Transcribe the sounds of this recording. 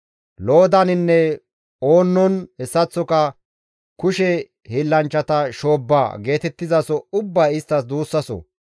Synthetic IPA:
lo̞ːd̪ɐnɪnːɛ | oːnːɔnhɛsːɐt͡sːɔkɐ | kʊʃɛ | hilːɐnt͡ʃːɐt̪ɐʃoːbːa̰ːɡe̞ːt̪ɛt̪ːɪzɐsɔʊbːaːɪst̪ːɐsd̪uːsːɐsɔ̰

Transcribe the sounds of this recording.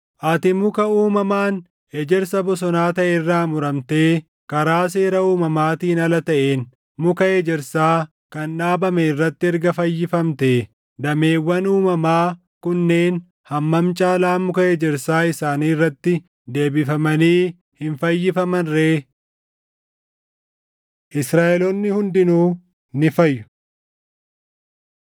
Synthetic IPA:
ʔɐt̪ɪmʊkɐuːmɐmaːn | hed͡ʒɛɾsɐbɔs̬ɔnaːt̪ɐʔerːaːmʊɾɐmt̪eː | kɐɾaːs̬e̞ːɾɐuːmɐmaːt̪iːnɐlɐt̪ɐʔeːn | mʊkɐheːd͡ʒɪɾsaː | kɐnᶑaːbɐmeɪrːɐt̪ːɪɪɾɡɐfɐjːɪfɐmt̪e | d̪ɐme̞ːwːɐnuːmɐmaː | kʊnːeːn | hɐmːɐmt͡ʃʼaːlaːmʊkɐed͡ʒɪɾsaːɪsaːniːrːɐt̪ːɪ | d̪e̞ːbɪfɐmɐniː | hɪnfɐjːɪfɐmɐnɾeː | ʔɪsɾaːʔɛlɔnːɪhʊnd̪ɪnuː | nɪfɐjːʊ̥

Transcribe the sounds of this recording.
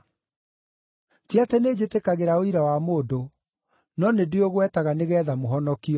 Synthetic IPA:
tiatɛned͡ʑetekaɣeɾaoiɾawamoːdo | nɔnedeoɣwɛtaɣaneɣɛðamoɦɔnɔkiɔ

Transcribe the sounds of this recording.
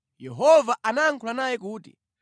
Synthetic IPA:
jɛɦɔvaʔanaːŋkʰulanajɛkuːtḭ

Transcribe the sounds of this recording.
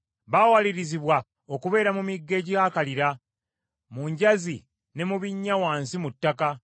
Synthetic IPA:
βaːwaliɾiziβwa | o̞kuβe̞ːɾamumiɡːe̞ːɟihaːkaliɾa | muɲɟazi | ne̞muβiɲːawaːnsimutːaka

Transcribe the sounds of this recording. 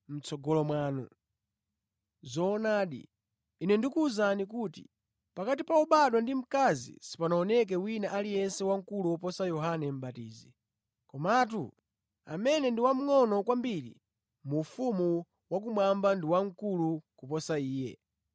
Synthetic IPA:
m̩t͡sɔɡɔlɔmwaːnɔ̰ | zɔːnaːɗḭː | nɛndikuːzanik̬utḭ | pakatipaɔɓaɗwandim̩kazḭsi̥panaɔnɛk̬ɛwinaʔalijɛnsɛwaŋkuluɔpɔsajɔɦanɛm̩ɓatiːzi | kɔmat̬ṵ | a̰mɛnɛndiwam̩ŋɔnɔkwambiɾḭ | muːfumu | wak̬umwambandiwaŋ̩kulukupɔsaiːjɛ̰

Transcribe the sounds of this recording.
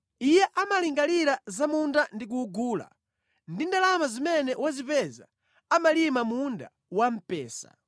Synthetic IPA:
ijɛʔamaliŋɡaliɾazamundandik̬uɡuːla̰ | ndindalamazimɛnɛwazipɛza̰ | amalimamunda̰ | wam̩pɛːsa̰

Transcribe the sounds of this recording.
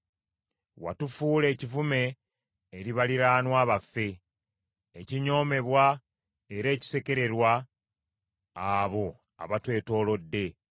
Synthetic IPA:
wa̰tufuːle̞ːcivume̞ː | ɾiβaliɾaːnwaːβafːe̞ː | ciɲo̞ːme̞βwa | e̞ɾe̞ːci̥se̞ke̞ɾe̞ɾwa | βo̞ | a̰βatwe̞ːto̞ːlo̞dːe̞

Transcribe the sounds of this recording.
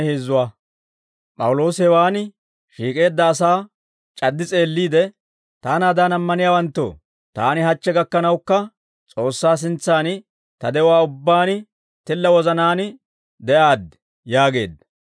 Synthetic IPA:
heːzːʊwaː | pʼɐwʊlo̞ːsɛwaːnɪ | ʃiːkʼe̞ːd̪ːɐːsaː | t͡ʃʼɐd̪ːɪt͡sʼe̞ːlːiːd̪ɛ | t̪aːnaːd̪aːnɐmːɐnɪjaːwɐnt̪ːo̰ː | t̪aːnɪɦɐt͡ʃːɛɡɐkːɐnɐwkːɐ | t͡sʼo̞ːsːaːs̬ɪnt͡sːaːn | t̪ɐd̪ɛʊwaːʊbːaːn | t̪ɪlːɐwɔzɐnaːn | d̪ɛʔaːd̪ | jaːɡe̞̰ːd̪ɐ

